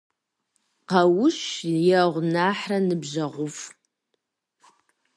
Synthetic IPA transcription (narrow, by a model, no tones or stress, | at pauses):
qɐwʊʃjɛʁʷnaːħrɐnɨbʑɐʁʷʊf